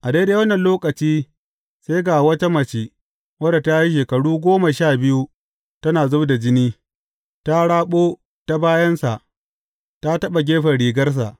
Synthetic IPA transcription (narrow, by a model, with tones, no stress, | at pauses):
ʔa˨de˦jda˨wɐ˦nːɐ˨nloː˦kɐ˨t͡ʃiː˦ | se˦ɡa˨wɐ˦ta˦mɐ˨t͡ʃi˦ | wɐ˦da˨ta˦ji˦ʃ̬eː˨kɐ˨ɽuː˦ɡʷoː˦ma˨ʃaː˦˨bɪ˦ju˦ | tɐ˦naː˨zʊ˦da˨d͡ʒɪ˦niː˦ | ta˦ɽaː˦ɓoː˦ | ta˦baː˦jɐ˦nsa˨ʔ | ta˦tɐ˦ɓa˨ɡʲeː˦ɸɐ˨ɽiː˨ɡɐ˦rs̬a̰˨ʔ